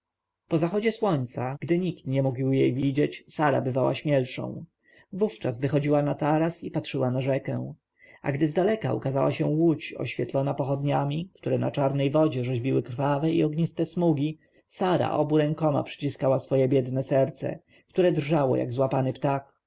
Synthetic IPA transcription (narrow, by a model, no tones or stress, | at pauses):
pɔzaxɔd͡ʑɛswɔɲt̪saɡd̪ɘɲikt̪ɲɛmuɡiwjejvʲid͡ʑɛt͡ɕsaɾa̰bɘvawa̰ɕmʲjɛlʂɔ̰̃w̃ | vuft͡ʂazvɘxɔd͡ʑiwanat̪aɾasipatʂɘwanaʐɛkɛw̃ | a̰ɡd̪ɘzd̪alɛka̰ṵkazawa̰ɕɛw̃wut͡ɕɔ̰ɕfʲjɛt̪lɔnapɔxɔd̪ɲamʲikt̪uɾɛna̰t͡ʂaɾnɛjvɔd͡ʑɛʐɛʑbʲiwɘkɾfavɛḭɔɡɲist̪ɛsmuɡʲi | saɾa̰ʔɔbuɾɛ̃ŋkɔma̰pʂɘ̥t͡ɕiskawasfɔjɛbʲjɛd̪nɛsɛɾt̪sɛ̰ | kt̪uɾɛd̪rʐawɔ̰ja̰ɡzwapanɘpt̪ak